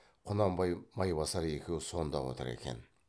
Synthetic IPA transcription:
qʰʊnɑmbɑjmɑjbɑsɑɾekʲewso̞nd̪ɑwo̰t̪ʰə̰ɾḛkʲe̞̰n

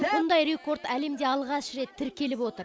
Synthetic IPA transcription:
bʊnd̪ɑjɾe̞ko̞ɾt̪æle̞md̪e̞ɑlˠʁɑʃɾe̞t̪ʰːɪɾkʲe̞lɪpwo̞t̪əɾ

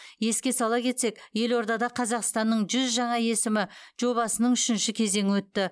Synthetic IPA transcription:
je̞skʲe̞sɑlˠɑkʲʰe̞t̪se̞kje̞lo̞ɾd̪ɑd̪ɑqʰɑzɑqst̪ɑnːəɴʒʏzʒɑɴɑje̞sɪmɪʒ̥o̞βɑsənəɴʏʃɪnʃɪkʲʰe̞ze̞ŋʲɪwɵt̪ːɪ

